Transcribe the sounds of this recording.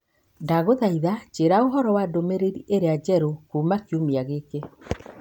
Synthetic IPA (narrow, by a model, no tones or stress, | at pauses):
daɣoðaiðat͡ʃeɾaoɦɔɾɔwadomeɾeɾiʔeɾead͡ʒɛɾokuːmakiumiaɣeke